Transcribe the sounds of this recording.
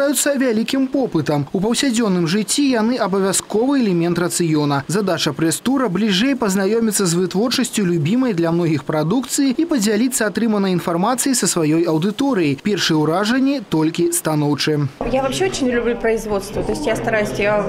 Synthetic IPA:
ajut̪sːɐvʲalʲikʲimpɔpɨt̪ɐmupɐwsʲad͡zʲɔnːɨmʐɨt͡sʲːijanɨʔɐbɐvʲaskɔvɨɛlʲɛmʲɛnt̪rɐt̪sɨjɔnɐzad̪at͡ʂɐpɾɛst̪uɾɐblʲiʐɛjpɐznajɔmʲit̪sːɐzvɨt̪vɔrt͡ʂɐsʲt͡sʲulʲubʲimɐjd̪lʲɐmnɔɣʲixpɾad̪ukt̪sɨjiipɐd͡zʲalʲit̪sːɐat̪ɾɨmɐnɐjinfarmat̪sɨjisɐsvajɔjɐwd̪ɨt̪ɔɾɨjipʲɛrʂɨjɛwɾaʐɐnʲːit̪ɔlʲkʲist̪anɔwt͡ʂɨjavɐpɕeot͡ɕɪnʲlʲublʲupɾəɪzvot̪st̪vɐt̪oɪsʲtʲjast̪ɐɾajʊsʲja

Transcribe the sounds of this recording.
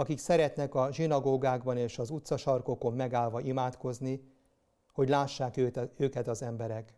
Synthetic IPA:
ɒkiksɛɾɛt̪nɛkɒʒinɒɡoːɡaːɡbɒneːʃɒzut̪sɒʃɒrko̞ko̞mːɛɡaːlvɒʔimaːt̪ko̞zni | hoɟlaːʃːaːkːøːkɛt̪ɒzɛmbɛɾɛk

